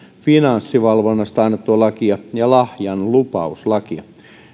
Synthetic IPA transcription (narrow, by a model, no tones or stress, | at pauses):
finɑnsːiʋɑlʋonːɑst̪ɑinːet̪ːuɑlɑkiɑjɑlɑhjɑnlupɑuslɑkiɑ̰